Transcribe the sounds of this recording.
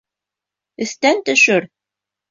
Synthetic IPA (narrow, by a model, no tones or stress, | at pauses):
ɘ̆st̪ænt̪ɵ̆ʃɘɾ